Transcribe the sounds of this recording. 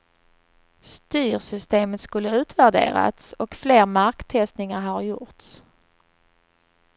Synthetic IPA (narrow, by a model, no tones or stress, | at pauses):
st̪yːɾsʏst̪eːmət̪skɵlːəʉ̟ːt̪væɖḛːɾa̰t̪sɔkfleːɾmaɾkt̪ʰɛst̪nɪŋaɾɦaɾjʊ̰ɾt̪s